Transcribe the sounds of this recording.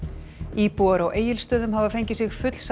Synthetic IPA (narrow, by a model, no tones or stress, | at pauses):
iːpuaɾawʔeːjɪlst̪œːðʏmɦavafejɲcɪsɪxfʏt̪l̥s